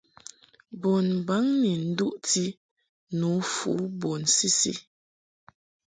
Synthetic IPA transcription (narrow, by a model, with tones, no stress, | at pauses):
bɔ˨n˨ba˨˦ŋni˨n̩˦du˦ʔti˦ | nu˨˦fṵ˨˦bɔ˨nsi˦sḭ˦